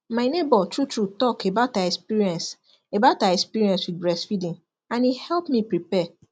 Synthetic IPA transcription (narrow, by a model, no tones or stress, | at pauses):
maɪnebɔtɹutɹutɔkʰebataɛkspiɹiɛ̃ns | ebaʊtaɛkspiɹiɛ̃nswid̚bɹɛsfidĩŋ | ãnihɛlpmĩpɹipɛ